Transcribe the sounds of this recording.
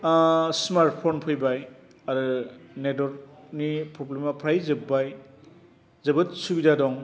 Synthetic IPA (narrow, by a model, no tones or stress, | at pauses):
smaɾt̚pʰonpʰɯjbaj | aɾɯnedɔɾnipɾɔblemapʰɾajzɯbaj | zɯbɯt̚subidadɔŋ